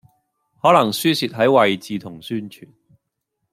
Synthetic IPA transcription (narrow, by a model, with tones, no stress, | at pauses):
hɔː˨˥lɐ˨˩ŋsyː˥siː˨t̚ɦɐ˨˥jwɐ˨jt͡siː˨˧t̪ʰʊ˨˩ŋsyː˥nt͡ʃʰy̰ː˨˩n